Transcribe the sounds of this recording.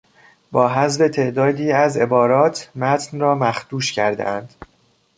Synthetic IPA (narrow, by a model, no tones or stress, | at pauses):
bɒːɦæzve̞t̪ʰe̞ʔd̪ɒːd̪iːæze̞bɒːɾɒːt̪ʰmæt̪ʰnrɒːmæxd̪̥uːʃcʰæɾd̪ḛʔænd̪̥